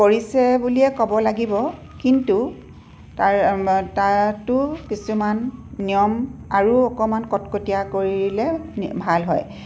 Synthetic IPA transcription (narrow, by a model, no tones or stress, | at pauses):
koɹisɛbuliɛkɔbɔlaɡibɔ | kintu | taɹtatʊkisumanːijɔmaɹuɔkɔmankɔtkotijakoɹilɛbʱalɦɔ̰j